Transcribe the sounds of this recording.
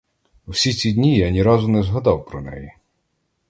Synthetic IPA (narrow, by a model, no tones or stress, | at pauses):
uwsʲit͡sʲid̪ʲnʲijanʲiɾɑzʊnɛzɦɐd̪ɑwpɾɔnɛ̰ji